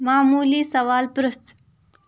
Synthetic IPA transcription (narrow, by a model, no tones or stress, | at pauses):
maːmuːliːsɐʋaːlpɾəst͡s